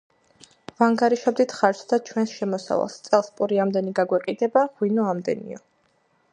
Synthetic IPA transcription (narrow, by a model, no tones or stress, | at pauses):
vaŋɡaɾiʃabd̪it̪ʰχaɾt͡ʃʰd̪at͡ʃʰwɛnsʃɛmɔsa̰va̰lˠst̪sʼɛlˠspʼuɾiamd̪ɛniɡaɡwɛqʼid̪ɛbaʁwinɔamd̪ɛ̰nḭɔ